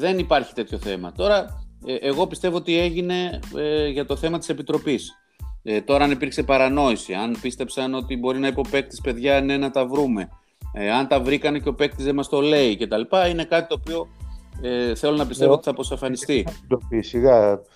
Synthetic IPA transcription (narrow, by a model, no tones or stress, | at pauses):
ðe̞nipɐɾçi̥t̪e̞t̪ço̞θe̞mɐ̰t̪o̞ɾɐeʔeɣo̞pist̪e̞vo̞ot̪ie̞ʝine̞ʝɐt̪o̞θe̞mɐt̪ise̞pit̪ɾo̞pis | et̪o̞ɾɐɐnipiɾkse̞pɐɾɐno̞isiɐnpist̪e̞psɐno̞t̪ibo̞ɾinɐipo̞pe̞k̚t̪i̥spe̞ðʝɐne̞nɐt̪ɐvɾume̞ | ɐnt̪ɐvɾikɐnece̞o̞pe̞k̚t̪izðemɐst̪o̞le̞ice̞t̪ɐlipɐine̞kɐt̪i̥t̪oːpio̞eθe̞lo̞nɐp̬ist̪e̞voot̪i̥θɐpɾosɐfɐnist̪iopisiɣɐ